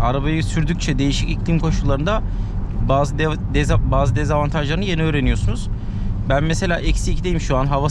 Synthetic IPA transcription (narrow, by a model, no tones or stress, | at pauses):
aɾabajɯsyɾd̪yc̚ʲt͡ʃʰɛd̪e̞jiʃicicʰlʲimkʰo̞ʃulˠːaɾɯnd̪a | bzd̪ | d̪baːzɯd̪ɛzavant̪ʰaʒlˠaɾɯnɯje̞niøːɾe̞nijosunuz̥ | bænmese̞lʲaːʔɛcsicd̪e̞jimʃuanɦava